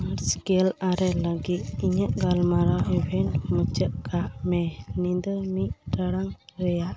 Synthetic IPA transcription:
aɾsɡɛlaɾɛləɡit̪̚iɲəʔɡalmaɾaʔɛbʱɛɳʈmət͡ʃəʔ̚kaʔmɛnind̪əmiʔ̚təɽaŋɾɛjaʔ

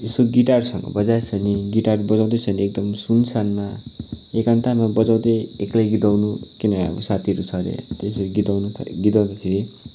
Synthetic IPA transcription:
esoɡiʈarsʌŋɡʌ̰bʌd͡zart͡sʰʌniɡiʈarbʌd͡zaw̃d̪et͡sʰʌniek̚d̪ʌmsunsanma | ekant̪amabʌd͡zaw̃d̪eeklajɡid̪awnukinaʌ̰bʌ̰sat̪ʰiʌɾut͡sʰʌɾḛt̪esʌɾiɡid̪awnutʰɡid̪awd̪esʰiɾe

